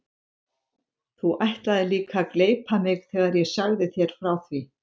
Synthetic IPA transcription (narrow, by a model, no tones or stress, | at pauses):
θuʔajht̪laðɪliːkakleːjpʰamɪɣθɛːɣaɾjɛsœɣðɪθjɛɾ̥fɾawθvi